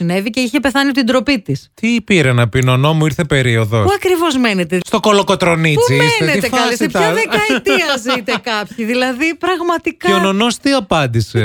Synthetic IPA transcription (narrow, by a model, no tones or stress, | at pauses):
sine̞vice̞içe̞pe̞θɐnit̪ind̪ɾo̞pit̪ist̪ipiɾɐnɐpinono̞muiɾθe̞pe̞ɾio̞ðopuɐkɾivo̞zme̞net̪est̪o̞ko̞loko̞t̪ɾo̞nipuimmiseeneit̪efɐlispɐðekɐit̪ɐzit̪ekɐpçiðilɐðipɾɐɣmɐt̪ikɐononost̪iɐpɐnd̪ise